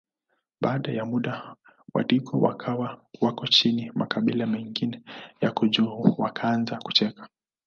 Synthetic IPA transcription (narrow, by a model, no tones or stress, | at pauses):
ɓaːɗajamuɗa | wa̰likɔwa̰kʰawawakɔt͡ʃinimakaɓilamɛŋɡinɛjakuʄuuwakʰaanzaku̥t͡ʃɛkḁ